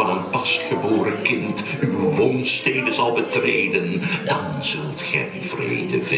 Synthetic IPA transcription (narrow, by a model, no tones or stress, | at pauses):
ɑnənpɑstχəboːɾəkɪnt | ywʋonstejdəzɑlˠbətrejdəndɑnz̥ɵlˠtχɛ̰jəvrḛjdəvɪ